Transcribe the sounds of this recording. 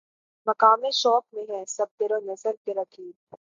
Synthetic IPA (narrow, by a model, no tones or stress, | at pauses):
mɐkaːmẽʃɔːk̚mẽɦɛ̃sɐb̚t̪eːɾonɐzəlkeɾɐkʰiːb